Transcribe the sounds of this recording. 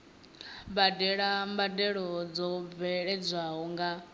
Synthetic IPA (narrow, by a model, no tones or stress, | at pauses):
badɛɺambadɛɺɔd͡zɔvɛɺɛd͡zʷaɦɔŋɡa